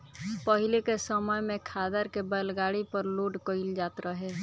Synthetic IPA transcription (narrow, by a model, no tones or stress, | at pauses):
pəɦɪlekesəməjmẽkʰaːd̪əɾkebəlɡaːɽipəɾluːɖkoɪld͡ʒaːt̪ɾəɦɛː